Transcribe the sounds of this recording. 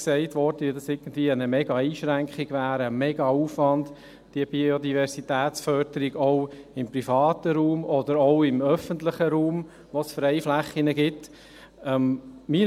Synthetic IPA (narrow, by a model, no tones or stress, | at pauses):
sɛɪt̪ʋɔɾd̥əʋid̥ɑsɪɡ̥ən̩d̪ʋiːəənəmɛɡɑiːʃɾæŋkχɪɡ̥ʋæːɾəmɛɡɑuːfʋɑnd | d̥iəb̥iod̪ivɛɾsitæːt̪sfœɾdəɾiɡɔʊɪmpɾifɑːt̪əɾuːmɔd̪əɾɔʊɪmœfənt̪ləχəɾuːm | ʋosfɾɛɪflæχːinəɡɪt | ɛmmi